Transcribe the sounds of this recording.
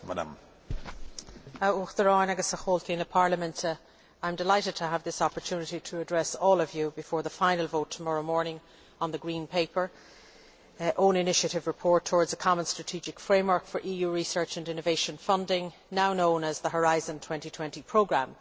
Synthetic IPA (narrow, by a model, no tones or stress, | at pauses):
mada̰m | auxdəɹɔ̃nəɡəsəxoːltĩnəpʰaɹləmə̃nt | ãɪ̃mdɪlaɪɾɨd̚tʰəəvðɪsɑpə˞tʰʉːnɪɾiɾʰəːdɹɛsɔːlˠʌvjubɪfɔːɹðəfãɪ̃nəlˠvoʊtʰəmɑɹoʊmɔːɹnɪ̃ŋ | ə̃nðəɡɹĩːnpʰeɪpə˞ | ʔõʊ̃nɪnɪʃəɾɪvɹɪpʰɔɹtʰɔːɹdz̥əkʰɑmə̃nstɹ̥ətʰid͡ʒɪkfɹẽɪ̃mwɜ˞kfə˞ʔiːjuːɹisɜ˞t͡ʃə̃nɪ̃nəveɪʃə̃nfʌ̃ndɪ̃ŋ | naʊnõʊ̃nəzðəɦəɹaɪzə̃ntʰw̥ɛ̃ntitʰw̥ɛ̃ntipʰɹ̥oʊɡɹãm